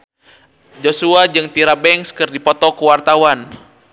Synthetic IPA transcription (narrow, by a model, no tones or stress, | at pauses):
d͡ʒosuad͡ʒɨŋt̪iɾabɛŋskɨrdipɔt̪ɔkəwart̪awan